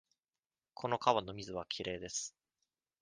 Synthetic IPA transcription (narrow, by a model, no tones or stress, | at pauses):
kʰo̞no̞kaβano̞mʲizɨβakʲʰiɾe̞ːd̪e̞sɨ̥